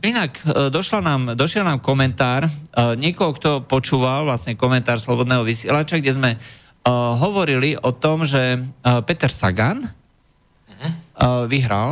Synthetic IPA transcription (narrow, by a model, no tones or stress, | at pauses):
inakd̪ɔʃlanaːmd̪ɔʃɛlnaːmkɔmɛnt̪aːɾɲɪɛkɔɦɔkt̪ɔpɔt͡ʃuːʋalʋlasɲɛkɔmɛnt̪aːɾslɔbɔd̪nɛːɦɔʋisɪɛlat͡ʃaɡɟɛzmɛ | ɦɔʋɔɾiliʔɔt̪ɔmʒɛpɛt̪ɛɾsa̰ɡan | ʋiɦɾa̰l